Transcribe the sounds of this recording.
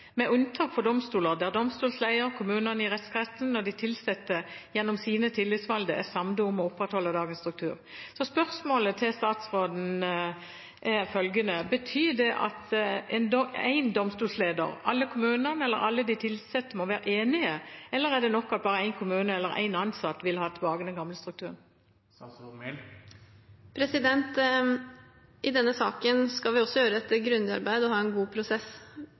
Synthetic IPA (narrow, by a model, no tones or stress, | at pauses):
mɛʔʉnt̪ʰɑːkfɔʁd̪ɔmst̪uːləʁd̪ɛæʁd̪ɔmst̪uːlslæɪəɾkʰʊmʉːnənəɪʁɛt̪skʰʁɛsn̩ːɔd̪ɪt̪ʰɪlsɛt̪ːəjɛnːɔmsiːnət̪ʰɪlːɪt̪sʋɑld̪əæsɑmd̪ʊʊmɔʊpʁɛt̪hɔlːəd̪ɑːɡənst̪ʁʉk̚t̪ʰʉ̰ːʁsɔspœʁsmoːlət̪ʰɪlst̪ɑːt̪sʁoːd̪n̩ | ʔɛfœlɡənəbət̪ʰyːd̪ɛʔɑ̰t̪ɛnæ̰ɪnd̪ɔmst̪uːlsleːd̪ə̰ɾɑlːəkʰʊmʉːnəʁnɛlːəɾɑlːəd̪ɪt̪ʰɪlsɛt̪ːəmoːʋæːɾəʔeːnɪəɛlːəʁæd̪ɛnɔkːɑt̪̚bɑːʁəæɪnkʰʊmʉːnəɛlːəɾæ̰ɪnɑnsɑt̪ːʋɪlhɑːt̪ʰbɑːɡənɛnɡɑmləst̪ʁʉkt̪ʰʉːʁn | pʰɾɛsɪd̪ɛnt̪ | ʔɪd̪ɛnːəsɑːkənskɑlʋɪɔsːɔjøːɾəɛt̪ɡɾʉnd̪ɑ̰ɾbæɪd̪ɔhɑːɛnɡuːpʰɾʊsɛs